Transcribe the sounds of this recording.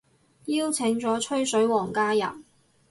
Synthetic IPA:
jiː˥wt͡sʰɪ˨˧˥ŋt͡sɔː˨˥t͡ʃʰɵ˥ɥsɵ˨˥ɥwɔː˨˩ŋkaː˥jɐ̰˨˩n

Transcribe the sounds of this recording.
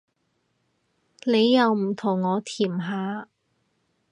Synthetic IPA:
ne˨˧jːɐ˨˧wm̩˨˩t̪ʰʊ˨˩ŋːɔː˨˧t̪ʰiː˨˩mɦaː˨˥

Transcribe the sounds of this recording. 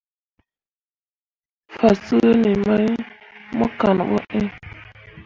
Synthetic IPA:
fa˨sə˦ni˨ma˦jmo˦ka˨n˨ɓo̰˦ʔe˦

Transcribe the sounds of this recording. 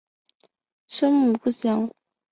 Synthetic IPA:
ʂɤ˥ŋmu˨˩pu˥˩ɕjɑ˨˧˥ŋ

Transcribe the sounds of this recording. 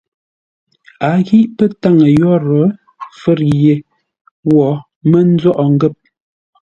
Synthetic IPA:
a˨˦ɣi˦ʔpə˦ta˦˨ŋə˨jɔ˦ɾɔ˨˦ | fə˦ɾje˨ | wɔ˨˦ | mə˦n̩˦zɔ˦ʔɔ˨ŋ˦ɡə˦˨p̚

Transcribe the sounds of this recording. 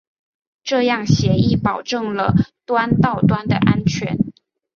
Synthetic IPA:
ʈ͡ʂɤ˥˧jɑ˥˩ŋɕjɛ˧˥i˥˩pɑ˨˩ʊʈ͡ʂɤ˥˩ŋlə˩t̪wa˥nt̪ɑ˥˩ʊt̪wa˥nd̪ə̰˨ʔa˥nt͡ɕʰɥɛ˧˥n

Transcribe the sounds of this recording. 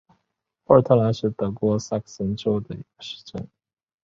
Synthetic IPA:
ə˥˧t̪ʰə˥˩la˧˥nʂɻ̩˥˩t̪ɤ˧˥kwɔ˧˥sa˥˩ksə˧˥nʈ͡ʂo˥ʊd̪ə˨i˧˥ɡ̥ə̥˧ʂɻ̩̥˥˧ʈ͡ʂə̰˥˩n

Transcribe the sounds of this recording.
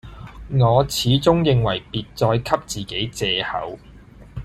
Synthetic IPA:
ŋɔː˨˧t͡sʰiː˨˥t͡sʊ˥ŋjɪ˨˧ŋwɐ˨˩jpiː˨t̚t͡sɔː˧jkʰɐ˥p̚t͡siː˨ke˨˥jt͡sɛː˨˧hɐ̰˨˥w

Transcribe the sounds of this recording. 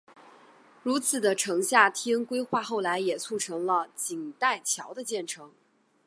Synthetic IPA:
ɻu˧˥t͡sʰɹ̩˨˩d̪ə˦ʈ͡ʂʰɤ˧˥ŋɕja˥˩t̪ʰji˥nkwe˥ɪxwa˥˧xo˥˩ʊla˧˥ɪjɛ˨˩t͡sʰu˥˩ʈ͡ʂʰɤ˧˥ŋlə˧t͡ɕi˨˩ŋt̪a˥˩ɪt͡ɕʰjɑ˧˥ʊd̪ə˧t͡ɕjɛ˥˩nʈ͡ʂʰɤ˧˥ŋ

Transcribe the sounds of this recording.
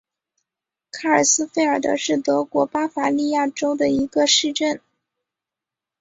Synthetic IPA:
kʰa˥˩ə˞˨˩sɹ̩˥fe˥˩ɪə˞˨˩d̪ə̰˦ʂɻ̩˥˩t̪ɤ˧˥kwɔ˧˥pa˥fa˧˥li˥˧ja˥˩ʈ͡ʂo˥ʊd̪ə˨i˧˥ɡə˧ʂɻ̩˥˧ʈ͡ʂə˥˩n

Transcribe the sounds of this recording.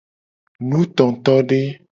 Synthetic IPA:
nũ˦t̪ɔ̃˨t̪ɔ˦ɖe˦

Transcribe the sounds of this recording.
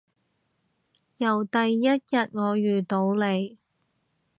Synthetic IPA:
jɐ˨˩wt̪ɐ˨jːɐ˥t̚jɐ˨t̚ŋɔː˨˧jyː˨t̪o˨˧˥wle˨˧j

